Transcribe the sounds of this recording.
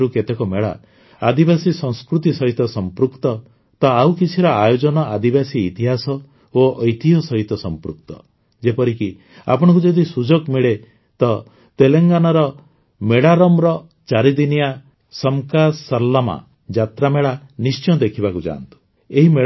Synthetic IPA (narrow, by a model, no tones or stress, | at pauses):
ɾuket̪ekɔmeɭa̰ | ad̪ibasisɔ̃ŋ̃skɾut̪isɔɦit̪ɔsɔmpɾukt̪ɔ | t̪ɔawkit͡ʃʰiɾɔajod͡ʒɔnɔad̪ibasiːt̪iɦasɔ | oʔɔjt̪iɦɔsɔɦit̪ɔsɔmpɾṵk̚t̪ɔ̰ | d͡ʒepɔɾiki | a̰pɔɽ̃ɔŋk̬ud͡ʒɔd̪isud͡ʒoɡmiɭe | t̪ɔ | t̪eleŋɡanɔɾɔ | meɽaɾɔmɾɔ | t͡ʃaɾid̪inija | sɔmkasɔɾlama̰ | d͡ʒat̪ɾameɭanist͡ʃɔ̃d̪ekʰibakud͡ʒa̰nt̪u̥ | eɦime